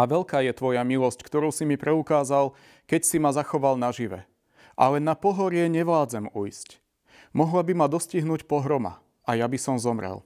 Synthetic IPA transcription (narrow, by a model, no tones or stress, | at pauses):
aʋɛʎkaːjɛt̪ʋɔjamilɔsckt̪ɔɾuʊsimipɾɛukaːzal | kɛcsimazaxɔʋalnaʒiʋɛ̰ | ʔa̰lɛnapɔɦɔɾɪɛɲɛʋlaːd͡zɛmujsc | mɔɦlabimad̪ɔsciɦnuːcpɔɦɾɔma̰ | ajabisɔmzɔmɾɛ̰l